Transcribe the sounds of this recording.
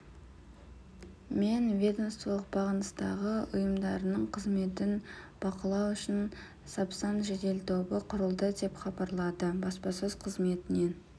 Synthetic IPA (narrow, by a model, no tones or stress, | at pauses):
me̞nvʲe̞d̪o̞mst̪əlˠəq̚bɑʁənəst̪ɑ̰ʁəʊjəmd̪ɑɾənəɴqʰəzme̞t̪ɪnb̥ɑqəlˠɑwʏʃɪn | sɑpsɑnʒed̪e̞lt̪ʰo̞bəqʰʊɾəlˠd̪əd̪e̞pχɑbɑɾlˠɑd̪əbɑspɑsøz̥qʰəzme̞t̪ɪne̞